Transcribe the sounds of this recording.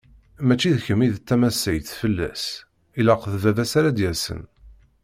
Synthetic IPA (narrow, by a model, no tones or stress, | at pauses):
mæt͡ʃːiðçəmːiðt̪ːæmæsːəjθfəlːæ̰s | ilæqəθvævæsaɾad̪jæsə̰n